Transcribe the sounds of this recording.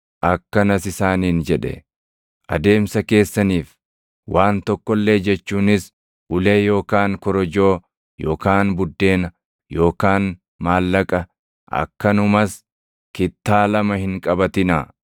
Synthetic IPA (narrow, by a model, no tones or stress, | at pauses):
ʔɐkːɐnɐsɪsaːniːnd͡ʒɛᶑɛ̰ | ʔɐ̰d̪e̞ːmsɐke̞ːsːɐniːf | waːnt̪ɔkːɔlːe̞ːd͡ʒɛt͡ʃːuːnɪs | ʔʊle̞ːjo̞ːkaːŋkɔɾɔd͡ʒo̞ː | jo̞ːkaːnbʊd̪ːe̞ːnɐ | jo̞ːkaːn | maːlːɐkʼɐ | ʔɐ̰kːɐnʊmɐs | kɪt̪ːaːlɐmɐhɪŋkʼɐbɐt̪ɪnɐ